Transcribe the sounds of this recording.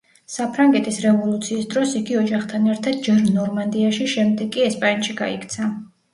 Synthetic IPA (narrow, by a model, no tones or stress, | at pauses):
sapʰɾaŋɡɛt̪ʰisɾɛvɔlˠut̪sʰiːsd̪ɾɔsiɡiɔd͡ʒaχt̪ʰanɛɾt̪ʰad̪̥̚d͡ʒɛɾnɔɾmand̪iaʃiʃɛmd̪ɛɡʼiɛspʼanʃiɡa̰ḭkʰt̪sʰa